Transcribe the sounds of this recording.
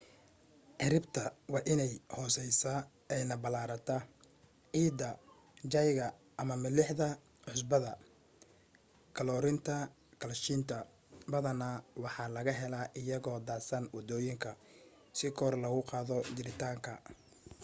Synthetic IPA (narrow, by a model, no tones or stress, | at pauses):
ʕɪɾɪbt̪ʰɐwɑːʔɪnɛjhɔːsɛjsɐ | ɛjnɐbɐlaːɾɐt̪ʰɐ | ʕiːd̪ɐ | d͡ʒɐjɣɐ | ʔːmɐmɪlɪħðɐ | ʕʊs̬bɐðɐ | kʰɐlɔːɾɪnt̪ʰɐ | kʰɐlʃint̪ʰɐ | bɐðɐnawɑħɑːlɐɣɐɦɛlɐʔɪjɐɣɔːd̪aːsɐnwɑd̪ɔːjɪŋkʰɐ | sɪkʰɔrlɐɣʊqɑːðɔd͡ʒɪɾɪt̪ʰaːŋkʰɐ̰